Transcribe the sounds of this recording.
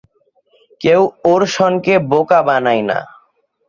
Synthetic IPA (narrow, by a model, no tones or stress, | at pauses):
kewoɾʃɔnkebokabanajna̰